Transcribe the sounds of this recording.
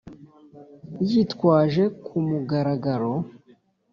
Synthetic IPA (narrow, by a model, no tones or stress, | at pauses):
jitkwaːʒe̞kʰumuɡaɾaɡaɾo̞